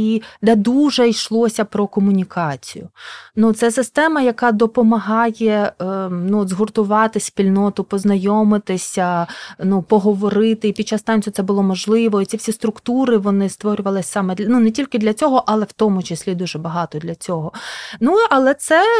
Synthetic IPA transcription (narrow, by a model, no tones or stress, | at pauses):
id̪ɛd̪uʒɛjʃlˠɔsʲɐpɾɔkɔmʊnʲikʰɑt͡sʲijʊ̰nut̪sɛsɪst̪ɛmɐjɐkɑd̪ɔpɔmɐɦɑjɛ | nuzɦɔrt̪ʊʋɑt̪ɪsʲsʲpʲilʲnɔt̪ʊpɔznɐjɔmɪt̪ɪsʲɐnupɔɦɔʋɔɾɪt̪ɪipʲid̚t͡ʃːɑst̪ɑnʲt͡sʲjʊt̪sɛbʊlˠɔmɔʒlˠɪʋɔit͡sʲifsʲist̪ɾʊkt̪uɾɪʋɔnɪst̪ʋɔɾʲʊʋɐlˠɪsʲsɑmɛd̪nunɛtʲilʲkɪd̪lʲɐt͡sʲɔɦɔʔɐlˠɛwt̪ɔmʊt͡ʃɪsʲlʲid̪uʒɛbɐɦɑt̪ɔd̪lʲɐt͡sʲɔɦɔnuɐlˠɛt̪sɛ